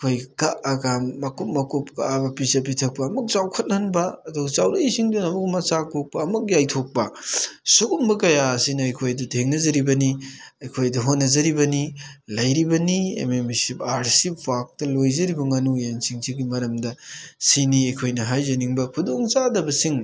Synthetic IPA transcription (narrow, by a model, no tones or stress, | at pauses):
kʰojkaʔaɡamːɐkup̚mɐkup̚ka̰abɐpisɐp̬itʰɐk̚pɐːmuk̚t͡ʃawkʰɐt̚anbɐɐduɡɐt͡ʃawdɐjsiŋdunɐmuk̚mɐt͡ʃakʰok̚pɐːmuk̚jajtʰok̚pɐsuɡumbɐkɐjaɐsinɐɐjkʰojdɐtʰeŋnɐzɐɾibɐniɐjkʰojdɐɦonːɐzɐɾibɐnilɐjɾibɐniḛmemisipaɾsip̚bak̚tɐlojzɐɾibɐŋanujensiŋsʰiɡimɐɾɐmdɐsiniɐjkʰojnɐɦajzɐniŋbɐkʰudoŋt͡ʃadɐbɐsiŋ